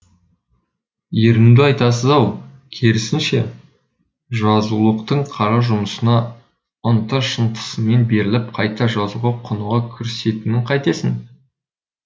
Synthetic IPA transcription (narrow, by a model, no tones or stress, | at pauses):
jeɾɪmd̪ɪɑjt̪ɑs̬əzɑwkʲʰeɾɪsɪnʃe̞ | ʒɑzulˠəqt̪əɴqʰɑɾɑʒʊməsənɑ | ənt̪ɑɾʃənt̪ə̥səme̞nbe̞ɾɪlɪp̚qʰɑjt̪ɑʒɑzuʁɑqʰʊnuʁɑkʲʰʏɾse̞t̪ɪnɪɴqʰɑjt̪esɪŋ